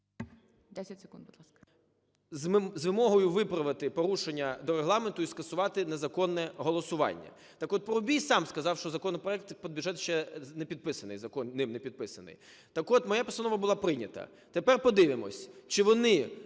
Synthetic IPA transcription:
d̪ɛsʲɐtʲse̥kund̪bʊd̪lˠɑsk | zzʋɪmɔɦɔjʊʋɪpɾɐʋɪt̪ɪpɔɾuʃenʲːɐd̪ɔɾeɦlˠɑment̪ʊiskɐsʊʋɑt̪ɪnezɐkɔnːɛɦɔlˠɔsʊʋɑ̰nʲːɐ̰ | t̪ɑkɔt̪̚pɔɾʊbʲijsɑmskɐzɑwʃt͡ʃɔzɐkɔnɔpɾɔɛk̚t̪pɔd̪̚bʲuʒɛt̪ʃt͡ʃɛnepʲid̪̚pɪsɐnɪ̰jzɐkɔnnɪmnepʲid̪̚pɪsɐnɪ̰j | t̪ɐkɔt̪mɔjapɔsɐnɔʋɐbʊlˠɑpɾɪnʲɐt̪ɐ̰ | t̪epɛrpɔd̪ɪʋɪmɔ̰sʲt͡ʃɪʋɔnɪ

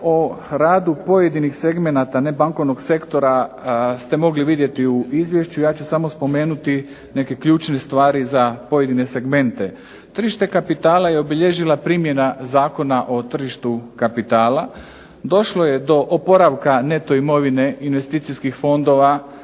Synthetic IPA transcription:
oɾaːd̪upo̞je̞d̪inixse̞ɡme̞nat̪ane̞baŋko̞ʋno̞ɡse̞kt̪o̞ɾast̪e̞mo̞ɡliʋid̪je̞t̪iuʔizʋje̞ʃt͡ɕujaːt͡ɕusamo̞spo̞me̞ːnut̪i | ne̞ke̞kʎuːt͡ʃne̞st̪ʋaːɾizapo̞je̞d̪ine̞se̞ɡme̞nt̪e̞ | t̪r̩ʒiʃt̪e̞kapit̪aːlajeobiʎeʒilapɾiːmje̞nazaːko̞naʔo̞t̪r̩ʒiʃt̪ukapit̪aːla | d̪o̞ʃlo̞je̞d̪o̞ʔopo̞ɾaʋkane̞t̪o̞imo̞ʋine̞inʋe̞st̪iːt̪sijskixfo̞nd̪o̞ʋa

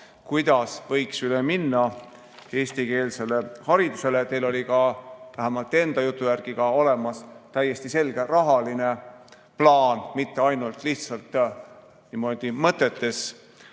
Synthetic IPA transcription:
kujd̪̥ɑsvɤ̞jksyleminːɑ | e̞ːst̪ike̞ːlse̞le̞hɑɾid̪̥use̞let̪e̞jlo̞lʲikɑvæɦæmɑlt̪ːˑe̞nd̪̥ɑjut̪ˑːujærɡ̥iɡ̥ɑo̞le̞mɑst̪æjːe̞st̪ise̞lɡ̥e̞rɑɦɑline̞ | plɑːnmit̪ːe̞ɑjnult̪ˑliht̪sɑlt̪ːˑ | nimo̞d̪̥imɤt̪ːˑe̞t̪ːe̞s

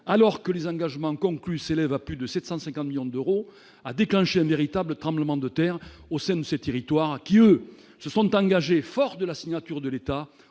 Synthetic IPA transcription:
alɔʁkəlezɑ̃ɡaʒəmɑ̃kɔ̃ŋklyselɛvaplyd̪əsɛt̪sɑ̃sɛ̃ŋkɑ̃t̪miljɔ̃d̪øʁo | ad̪eklɑ̃ʃeɛ̃veʁit̪ablət̪χɑ̃mbləmɑ̃d̪ət̪ɛʁosɛ̃d̪əset̪eʁit̪waʁkʲiø | səsɔ̃t̪ɑ̃ɡaʒefɔʁd̪əlasiɲat̪yʁd̪əlet̪a

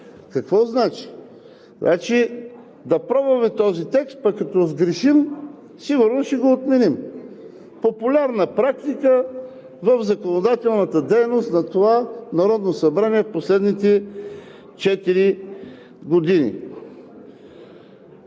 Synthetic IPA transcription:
kɐkvɔznat͡ʃi̥ | nat͡ʃi | d̪ɐpɾɔbɐmɛt̪ɔzit̪ɛkst̪̚pɐkːɐt̪ɔzɡɾɛʃim | siɡʊɾnoʃt̪ɛɡoːt̪mɛnim | populʲaɾnəpɾakt̪ikə | vəvzɐkonod̪at̪ɛlˠnət̪əd̪ɛjnost̪nɐt̪ovanɐɾɔd̪nosɐbɾaniɛfposlɛd̪nit̪ɛ | t͡ʃɛt̪iɾi | ɡod̪inḭ

